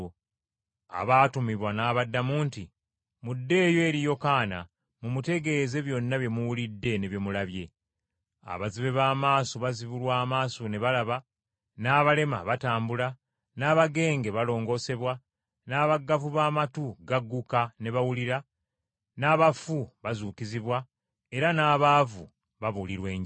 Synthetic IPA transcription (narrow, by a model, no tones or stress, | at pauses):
a̰βatumiβwanaːβadːamuːnti | mudːe̞ːjo̞ːɾijo̞kaːna̰ | mumute̞ɡe̞ze̞βjo̞nːaβje̞muwulidːe̞ne̞βje̞mulaβje̞ | a̰βaziβe̞βaːmaːsoβaziβulwaːmaːsone̞βalaβa | naːβale̞ma̰βataːmbula | naːβaɡe̞ːŋɡe̞βalo̞ːŋɡo̞se̞βwa | naːβaɡavuβaːmatuɡaɡːukane̞βawuliɾa | naːβafuβazuːkiziβwa | e̞ɾanaːβavu | βaβuliɾwe̞ːɲ